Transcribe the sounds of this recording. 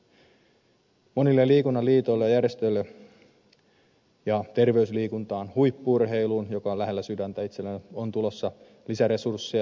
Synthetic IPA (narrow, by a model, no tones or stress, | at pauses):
monilːeliːkunːɑliːt̪o̞jlːejærest̪øjlːe | jɑt̪e̞rʋe̞ysliːkunt̪ɑːnhujpːuurɦe̞iluːnjo̞kɑlæɦe̞lːæsydænt̪æit̪selːenont̪ulo̞sːɑ | lisæɾe̞sursːiɑ